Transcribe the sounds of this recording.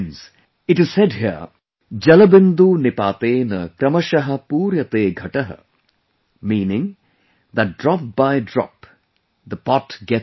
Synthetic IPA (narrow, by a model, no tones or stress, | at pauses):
ns | ɪʈɪz̥sɛdɦi | d͡ʒɐlɐbɪnd̪unɪpaːt̪eːnɐkɾɐmɐʃɐɦɐpuːɾjɐt̪eːɡʱɐʈɐɦə̰ | miːnɪ̃ŋ | d̪ɐt̚ɖɾɔp̚bajɖɾɔ̰p | d̪əpɔtɡɛ